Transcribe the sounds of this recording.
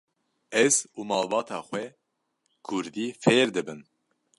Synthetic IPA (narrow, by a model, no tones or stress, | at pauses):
ɛz̥uːmɑːlbɑːt̪ʰɑːxwɛ | kʰʊɾd̪iːfeːɾd̪ɨbɨn